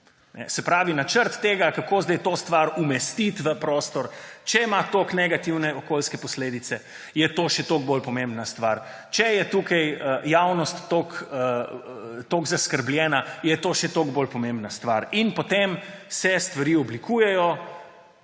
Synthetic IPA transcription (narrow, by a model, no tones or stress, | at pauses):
nɛ̰sɛpɾaːʋinat͡ʃəɾt̪ːeːɡakakoːzd̪ajt̪ost̪ʋaɾumɛst̪it̪ʋəpɾost̪ɔɾt͡ʃɛmat̪oknɛɡat̪iwnɛɔkoːlskɛpɔsleːd̪it̪sɛ | jɛt̪oːʃɛt̪oːɡ̚bolpɔmẽmbnast̪ʋaɾ | t͡ʃɛjɛt̪uːkɐjəjawnɔst̪ːokə | t̪oːɡzaskəɾbljɛːnajɛt̪oːʃɛt̪oɡbolpɔmẽmbnast̪ʋaɾinpot̪emsɛst̪ʋaɾiːɔblikuːjɛjɔ